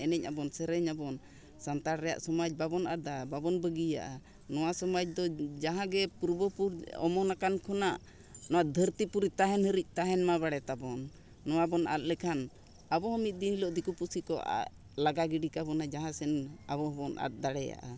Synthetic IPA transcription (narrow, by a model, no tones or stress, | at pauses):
ɛnɛcabɔnsɛɾɛɲabɔn | sant̪aɾɾɛja̰ʔsɔmac̚babɔnat̪̚d̪ababɔnbəɡija̰ʔa | nɔwasɔmac̚d̪ɔd͡ʒaɦãɡɛpuɾbəpuɾɔ̰mɔnakankʰɔnaʔ | nɔwaʔd̪ʱəɾt̪ipuɾit̪aɦɛnhəɾic̚ˀt̪aɦɛnmaβaɽɛt̪abɔnː | ɔwabɔnʔa̰t̪̚ˀlɛkʰan | abɔhɔmit̪̚ˀd̪inlɔʔd̪ikupusikɔʔa̰ | laɡaɡiɖikabɔnad͡ʒaɦãsɛnabɔhɔbɔnʔa̰t̪̚d̪aɽɛja̰ʔa